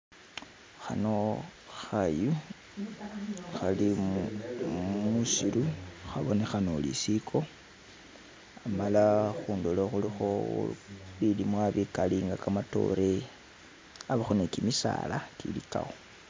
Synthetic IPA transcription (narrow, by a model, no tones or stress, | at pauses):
xano̞ | xaju | xali | mmusiluxaβo̞ne̞xanolḭsikʰo̞ | amalaxuːndoloxulixo̞ | βilimwaβikaliŋɡakamato̞̰ɾe̞ | aβaxonekimisa̰ːla̰kilika̰wo